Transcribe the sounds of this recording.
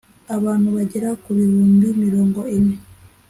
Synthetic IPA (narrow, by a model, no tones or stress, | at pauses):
aβaːn̥huβaɟeɾakuβiɾuːmbimiɾo̞ːŋɡoine